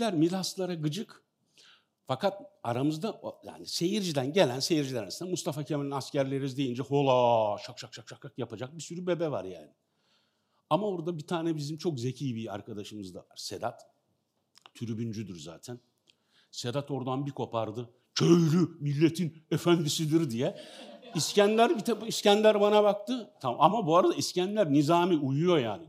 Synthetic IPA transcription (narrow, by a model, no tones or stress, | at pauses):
lʲæɾmilʲˠaslˠaɾaɡɯd͡ʒɯk | fakat̪aɾamɯzd̪aja̰ːnise̞jiɾd͡ʒid̪ænɟe̞lʲænse̞jiɾd͡ʒilʲɛɾnsind̪ɛmust̪ʰafacʰemelʲinascæɾlʲe̞ɾimizd̪e̞jind͡ʒɛholˠaʃak̚ʃʰakt͡ʃʰak̚t͡ʃʰakt͡ʃʰakjapad͡ʒak̚bisyɾybe̞bɛva̰ɾja̰ːnɪ | amaoɾd̪abit̪ʰaːnɛbizimt͡ʃʰo̞kze̞cʰiːbia̰ɾkʰad̪aʃɯmɯzd̪a̰va̰ɾ̥sed̪at̪ | t̪ʰyɾybynd͡ʒyd̪yɾza̰ːt̪ʰæn | se̞d̪at̪ʰo̞ɾd̪anbikʰo̞pʰaɾd̪ɯ | cʰø̞jlʲymilʲːe̞t̪ʰinefænd̪isid̪iɾd̪ijɛiscænlʲæɾbit̪iscænlʲæɾbanabakt̪ɯt̪ʰaamabuaɾad̪aiscænlʲæɾnizaːmiujujo̞jaːnɪ